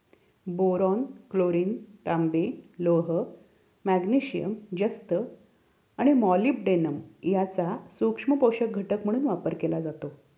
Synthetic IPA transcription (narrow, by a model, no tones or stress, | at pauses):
boɾɔnkloɾiːnt̪ambeloɦə | mæɡniɕijə̰md͡ʑəst̪ə | aɽ̃imɔliːpɖenəmjat͡sasukʂməpoɕək̚ɡʱəʈəkm̤əɽ̃uːnʋapəɾkelad͡zat̪o